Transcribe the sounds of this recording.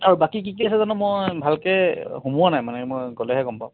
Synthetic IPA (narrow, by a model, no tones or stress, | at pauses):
aɹubakik̬ikiasɛzɔnɛmɔjbʱalkɛhumuwanajmanɛmɔjɡɔlɛɦɛɡɔmpaʊ